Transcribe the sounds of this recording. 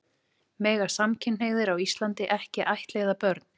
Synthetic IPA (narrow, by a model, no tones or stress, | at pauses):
mɛːɣasamcʰɪnheɣðɪɾawist̪lant̪ɪʔɛhcɪʔajht̪leːɣðapœɾt̪n